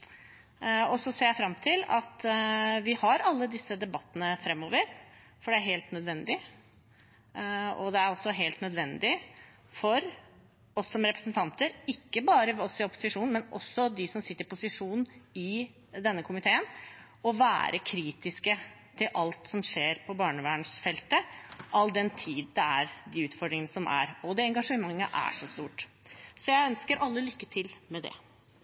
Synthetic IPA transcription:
ɔsɔseːɾjæfɾɑmt̪ʰɪlɑt̪ʋɪhɑɾɑlːəd̪ɪsːəd̪ɛbɑt̪ːənəfɾɛmːoːʋəɾ | fɔɖɛæɾɦeːlt̪nœd̪ʋɛnd̪ɪ | ɔd̪ɛæɾɔsːɔɦeːlt̪nœd̪ʋɛnd̪ɪ | fɔɾ | ɔsːɔmɾɛpɾəsnt̪ʰɑnt̪əɾɪkːəbɑːɾəɔsɪɔpːʊ̥sɪʂuːnmɛnʔɔ̰sːɔd̪ɪsɔmsɪt̪ːɾɪpʊsɪʂuːnn̩ɪ | d̪ɛnːəkʰʊmɪt̪ʰeːən | ɔʋæ̰ːɾʔəkʰɾiːt̪ɪskə | t̪ʰɪlʔɑlt̪sɔmʂeːɾpʰɔbɑːɳəʋæːɳsfɛlt̪əʔɑld̪ɛnt̪ʰiːd̪d̪ɛæɾd̪ɪʉːt̪fɔɖɾɪŋənəsɔmʔæ̰ɾɔd̪ɛɛŋɡɑʂəmɑŋːəʔæ̰ʂɔst̪uːʈ | sɔjæɪœnskəɾʔɑlːəlʏkːət̪ʰɪlmɛd̪ɛ̰

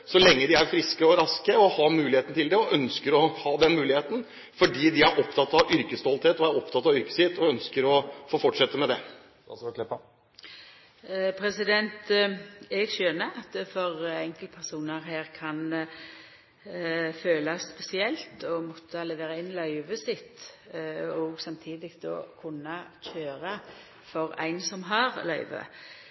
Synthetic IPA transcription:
sɔlɛŋːəd̪ɪæɾfɾɪskəɔɾɑskəɔhɑmʉːlɪheːt̪nət̪ʰɪld̪ɛɔʔœnskəɾɔhɑːd̪ɛnmʉːlɪheːt̪n̩ | fɔɖiːd̪ɪæɾʔɔpt̪ʰɑt̪ːɑʋʏɾkəst̪ɔlt̪heːt̪ɔæɾɔpt̪ʰɑt̪ːɑʋʏɾkə̥sɪt̪ʰɔœnskəɾɔfoːfɔʈʂɛt̪ːəmɛd̪ɛ | pʰɾɛsɪd̪ɛnt̪ | ɛɡʃønəɑt̪fɔʁɛŋkəlpʰæʁsuːnəɾheːʁkʰɑn | føːlɑsːpɛsɪɛlt̪ɔmɔt̪ʰːəlɛʋeːʁɑɪnːlɑʏʋəsɪt̪ː | ɔɡsɑmt̪ʰiːd̪ɪkd̪o̰ːkʰʊnːɑc͡çøːɾɑ | fɔʁæ̰ɪnsɔmɦɑʁlœ̰ʏʋə̰

